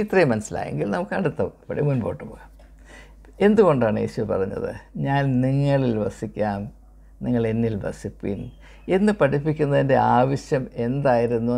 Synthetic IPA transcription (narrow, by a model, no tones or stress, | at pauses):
it̪riːmɐnɐsila̰ːje̞̰ŋɡilnɐmukːɨɐɽut̪ːɐʋɨmɐpɐɽḛmunbo̞ːʈːɨpoːɣaːm | e̞nd̪uɣo̞ɳɖaːɳeːɕuʋɐpɐ̰rɐɲːɐ̰ðɨ̰ɲaːnniŋːɐɭilʋɐsikʲːaːm | niŋːɐɭe̞nːilbɐ̰sipːḭn | e̞nːɨpɐʈipːikʲːunːɐðinde̞aaːʋɐɕjɐme̞nd̪aːjiɾunːu